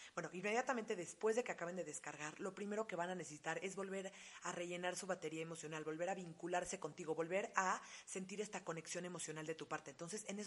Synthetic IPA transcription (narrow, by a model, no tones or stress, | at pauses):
bwe̞noʔinmːe̞ðjat̪ament̪eðe̞spwe̞zðe̞ke̞akaβe̞nd̪e̞ðe̞skaɾɣaɾlo̞pɾime̞ɾo̞ke̞βanane̞sesi̥t̪aɾe̞zβo̞lβe̞ɾare̞ʝe̞naɾsuβat̪e̞ɾiaemo̞sjo̞nalβo̞lβe̞ɾaβiŋkulaɾse̞ko̞nt̪iɣ̞o̞βo̞lβe̞ɾase̞nt̪iɾe̞st̪ako̞ne̞ksjo̞ne̞mo̞sjo̞nald̪e̞t̪upaɾt̪e̞ːnt̪o̞ns̬e̞senes